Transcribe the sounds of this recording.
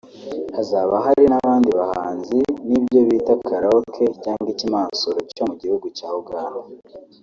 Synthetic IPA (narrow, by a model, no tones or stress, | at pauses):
azaːβaɦaɾinaβaːndiβahaːnzinibjo̞βiːtakʰaɾaokʰecaːŋɡicimaːsoɾoco̞muɟihuɡucaːhobɡaːho